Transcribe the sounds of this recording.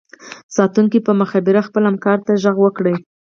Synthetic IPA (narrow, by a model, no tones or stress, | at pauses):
sɑt̪uŋkipəməxabiɾaxpəlamkɑɾt̪aʒaɣwəkɽəj